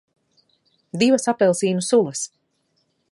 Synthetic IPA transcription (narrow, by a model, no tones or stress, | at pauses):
d̪ivasapɛlˠsiːnusulˠəs